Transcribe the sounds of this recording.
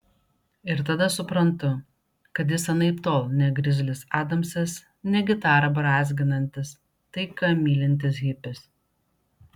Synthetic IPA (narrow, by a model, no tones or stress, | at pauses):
ɪɾt̪ɐd̪ɐsʊpɾɐnt̪ʊ | kɐt̪jɪsɐnɐɪpt̪oːlˠnʲɛɡɾʲɪzʲlʲɪsɑːd̪ɐmsʲɛs | nʲɛɡʲɪt̪ɑːɾɐbɐɾɑːzʲɡʲɪnɐnʲt̪ʲɪs | t̪ɐɪkɐmʲiːlʲɪnʲt̪ʲɪsɦʲɪpʲɪs